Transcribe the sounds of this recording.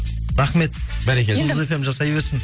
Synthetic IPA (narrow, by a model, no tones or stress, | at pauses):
ɾɑχme̞t̪bæɾekʲelefe̞mʒɑsɑjbeɾsɪn